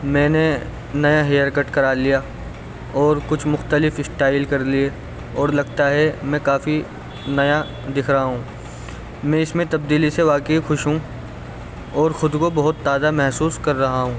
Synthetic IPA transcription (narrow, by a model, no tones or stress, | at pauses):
mɛ̃ːne | nɐjaɦeːəɾkɐʈkɐɾaːlijaː | ɔːɾkʊt͡ʃʰmʊxt̪əlɪfɪsʈaːɪlkɐɾlie | ɔːɾlɐɡt̪aɦɛmɛ̃ːkaːfi | nɐja | d̪ɪkʰɾɐɦaɦũː | mɛ̃ɪsmẽt̪ɐb̚d̪iːliseʋaːkəɦixʊʃɦũ | ɔːɾxʊd̪kobɐɦʊt̪ːaːd̪amɛɦsuːskɐɾːɐɦaɦũː